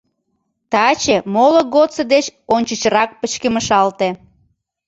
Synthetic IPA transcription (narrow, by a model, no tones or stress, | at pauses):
t̪ɑt͡ɕemoloɡot̪t͡səd̪et͡ɕonʲt͡ɕət͡ɕəɾɑk̚pət͡ɕkeməʃɑlt̪e